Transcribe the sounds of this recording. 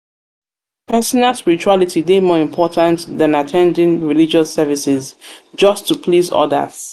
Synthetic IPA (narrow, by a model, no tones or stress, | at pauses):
pʰɛsɔnalˠspɪɹit͡ʃualitʰidemɔːɹɪ̃mpʰɔtʰãntðãnatʰɛ̃ndɪ̃ŋɹilid͡ʒəsɛvisɪzd͡ʒʌstʰːupʰlizɔ̰də̰z̥